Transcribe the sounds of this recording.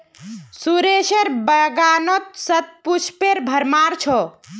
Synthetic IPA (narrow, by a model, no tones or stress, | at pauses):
suɾeʃeɾbəɡanot̪̚sət̪̚put͡ʃʰpeɾbʱəɾmaɾt͡ʃʰɔ